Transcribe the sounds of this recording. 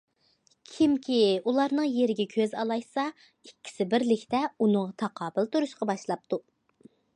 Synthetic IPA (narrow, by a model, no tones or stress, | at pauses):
kʲʰimkʲiulˠɑɾnɨŋjeɾɪɡʲɛkʲʰøzɑ̰lˠɑjsɑ | ikʲʰːi̥sɪbɪɾlɪkʲt̪ɛunɨŋʁɑt̪ʰɑqʰɑːbɪlˠt̪uɾuʃqɑbɑʃlˠɑp̚t̪u